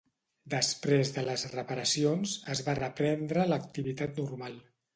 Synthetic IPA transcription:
d̪əspɾezðələzrəpəɾəsionzəzβarəpɾɛnd̪ɾələk̚t̪iβit̪at̪nurmalˠ

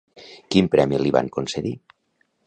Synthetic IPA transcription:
kimpɾɛmiliβa̰ŋkonseði

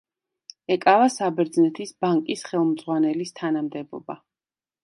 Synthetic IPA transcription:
ɛkʼavasabɛɾd̪znɛt̪ʰisbaŋkʼisχɛlˠmd̪zʁwanɛlist̪ʰanamd̪ɛbɔ̰ba

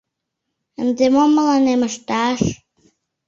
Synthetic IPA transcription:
əndɪmɔməlˠanɛməʃd̥aɬ

